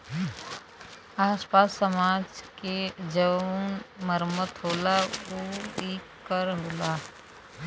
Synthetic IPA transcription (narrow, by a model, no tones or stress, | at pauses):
aːspaːsːəmaːd͡ʒked͡ʒənməɾmət̪ɦoːlaoːikkːəɾɦoːlaː